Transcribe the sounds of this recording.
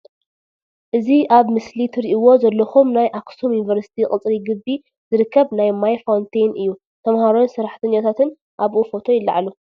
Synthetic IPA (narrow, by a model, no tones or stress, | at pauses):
ʔɨziʔaβmɨslit̪ʰɨɾiʔiwo̞zɐlːɐxumnajʔaksomjunivɐɾsi̥t̪ʰiχʼɨt͡sʼɾiɡɨbːi | z̥ɨɾɨkʰːɐβnajmajfawnt̪ʰejnʔɨjːu | t̪ʰɐmhaɾonsɨɾaħt̪ʰɐɲːat̪ʰat̪ʰɨn | ʔaβʔufo̞t̪ʰojɪlːa̰ʕalu